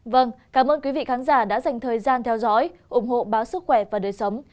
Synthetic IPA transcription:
və˧˩nkaː˧˩mʔəː˧nkwi˨˦vḭ˧˨xaː˨˦nzaː˧˩ɗa̰ː˧˥za˨˩jŋ̟t̪ʰəː˨˩jzaː˧nt̪ʰɛ˧wzɔ̰˧˥jʔʊ˧˩ŋ͡mɦo̰˧˨ɓaː˨˦wsɨ˦˥k̚xwɛ˧˩vaː˨˩ɗəː˨˩jsə˨˦wŋ͡m

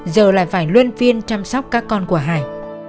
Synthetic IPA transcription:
zəː˨˩la̰ː˧˨jfaː˧˩jlwi˧nvi˧ənt͡ɕa˧msɔ˦˥wk͡p̚kaː˦˥kːɔ˧nku˧˩əɦaː˧˩j

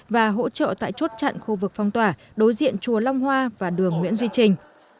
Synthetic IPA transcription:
vaː˨˩ɦo̰˧˥t͡ɕə̰ː˧˨t̪a̰ː˧˨jt͡ɕu˦˥t̚t͡ɕa̰ː˧˨nxu˧vɨ˨˩k̚fɔ˧wŋ͡mt̪waː˧˩ | ɗo˨˦jzḭ˧˨ənt͡ɕu˨˩əla˧wŋ͡mhwaː˧vaː˨˩ɗɨ˨˩əŋmwḭ˧˥ənzwi˧t͡ɕï˨˩ŋ̟

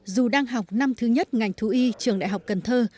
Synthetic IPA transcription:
zu˨˩ɗaː˧ŋɦa˨˩wk͡p̚na˧mt̪ʰɨ˨˦ɲə˦˥t̚ŋa˨˩jŋ̟t̪ʰu˨˦ʔi˧t͡ɕɨ˨˩əŋɗa̰˧˨jɦa˨˩wk͡p̚kə˨˩nt̪ʰəː˧

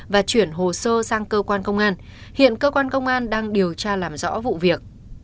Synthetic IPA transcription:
vaː˨˩t͡ɕwi˧˩ənɦo˨˩səː˧saː˧ŋkəː˧kwaː˧nkə˧wŋ͡mʔaː˧n | hḭ˧˨ənkəː˧kwaː˧nkə˧wŋ͡mʔaː˧nɗaː˧ŋɗi˨˩əwt͡ɕaː˧laː˨˩mzɔ̰˧˥vṵ˧˨vi˨˩ək̚

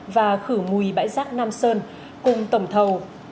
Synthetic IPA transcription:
vaː˨˩xɨ˧˩mu˨˩jɓa̰ː˧˥jzaː˦˥k̚naː˧msəː˧n | kʊ˨˩ŋ͡mt̪ə˧˩wŋ͡mt̪ʰə˨˩w

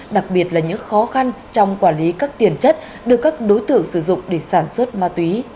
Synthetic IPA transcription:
ɗa˨˩k̚ɓi˨˩ət̚laː˨˩ɲɨ̰˧˥ŋxɔ˨˦xa˧nt͡ɕɔ˧wŋ͡mkwaː˧˩nli˨˦kaː˦˥k̚t̪i˨˩ənt͡ɕə˦˥t̚ | ɗɨ˨˩əkːaː˦˥k̚ɗo˨˦jt̪ɨ̰˧˨əŋsɨ˧˩zʊ̰˧˨ŋ͡mɗe˧˩saː˧˩nswə˦˥t̚maː˧t̪wi˨˦

